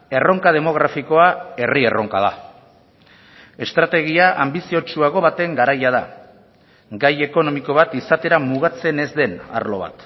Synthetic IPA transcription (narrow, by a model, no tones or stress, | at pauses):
e̞ro̞ŋkað̞e̞mo̞ɣ̞ɾafiko̞ae̞rie̞̰rʔo̞̰ŋkað̞a̰ | e̞st̪ɾat̪e̞ɣ̞iaʔambisio̞t͡ʃuaɣ̞o̞βat̪e̞ŋɡaɾajað̞a | ɡaje̞ko̞no̞miko̞β̞at̪isat̪e̞ɾamuɣ̞at͡se̞ne̞zd̪e̞na̰ɾlo̞̰β̞a̰t̪